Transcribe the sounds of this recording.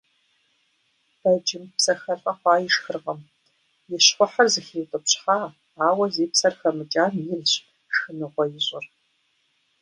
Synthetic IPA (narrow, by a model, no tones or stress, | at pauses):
b̥ɐd͡ʒɪmpsɐxɐrɬʼɐχʷɑːjɪʂxɨrʁɐm | jɪɕχʷʊħɐrzɨxeːwtʼɨpɕħaː | aːwɐzeːpsɐrxɐmɨt͡ʃʼaːnjɪlɕ | ʂxɨnɨʁʷɔjɪɕʼɪr